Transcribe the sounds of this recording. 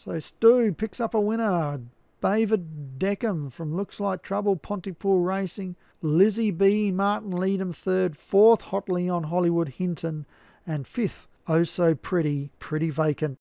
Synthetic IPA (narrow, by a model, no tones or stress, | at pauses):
soʊstʉpʰɪksʌpəwɪ̃ñə˞ | b̥eɪvɨddɛkɨ̃ɱfɹʌ̃mlʊkslaɪk̚tʰɹ̥ʌbl̩ˠpʰɑ̃ntipʰuɹɹeɪsɪ̃ŋ | lɪzibimɑɹʔn̩liɾɨ̃n̩θɜ˞d̥fɔɹθhɑtˡliə̃nɦɑlˠiwʊd̚hɪ̃ntʰɨ̃n | ɨ̃nfɪθ | oʊsoʊpʰɹ̥ɪɾipʰɹ̥ɪɾiveɪkɨ̃nt̚